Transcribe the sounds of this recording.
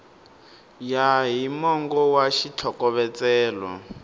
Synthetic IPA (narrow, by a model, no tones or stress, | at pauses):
jaɦimɔŋɡɔwaʃit͡ɬʰɔkɔβɛt͡sɛːlɔ̰